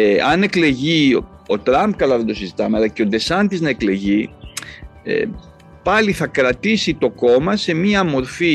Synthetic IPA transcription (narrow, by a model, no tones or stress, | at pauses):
eɐne̞kle̞ʝio̞t̪ɾɐmb̚kɐlɐðed̪osizit̪ɐmeɐlɐce̞od̪e̞sɐnt̪iznɐe̞kle̞ʝi | ḛ | pɐliθɐkɾɐt̪isit̪o̞ko̞mɐse̞miɐmo̞ɾfi